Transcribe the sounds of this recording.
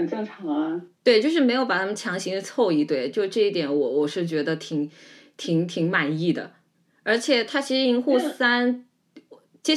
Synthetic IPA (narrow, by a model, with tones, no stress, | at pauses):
ə˨˩nʈ͡ʂɤ˥˩ŋʈ͡ʂʰɑ˧˥ŋ˧t̪we˥˧ɪt͡ɕjo˥˧ʂɻ̩˥˩me˧˥ɪjo˧˥ʊpa˨˩a˥mə˨nt͡ɕʰjɑ˧˥ŋɕi˧˥ŋ˧˥t͡sʰɔ˥˧ʊi˥˩t̪we˥˩ɪt͡ɕjo˥˧ʊʂʈ͡ʂɤ˥˧i˥˩t̪jɛ˨˧˩nwɔ˨˧˥wɔ˨˩ʂɻ̩˥˩t͡ɕɥɛ˧˥d̪ə˧t̪ʰi˧˥˦ŋ | t̪ʰi˧˥ŋt̪ʰi˧˥ŋma˨˩ni˥˩d̪ə̰˩ | ə˞˧˥t͡ɕʰjɛ˨˩t̪ʰa˥t͡ɕʰi˧˥ʂɻ̩˧i˧˥ŋxu˥˩sa˥n˩ | t͡ɕjɛ˥